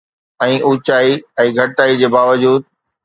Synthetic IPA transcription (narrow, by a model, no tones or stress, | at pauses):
ɛ̃ːʔuːt͡ɕaːiɛ̃ːɡʱɐʈaːid͡ʑeːbaːʋəd͡ʑuːd̪̚